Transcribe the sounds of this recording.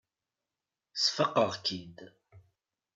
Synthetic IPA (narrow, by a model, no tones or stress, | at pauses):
sfəqːəʁkid̪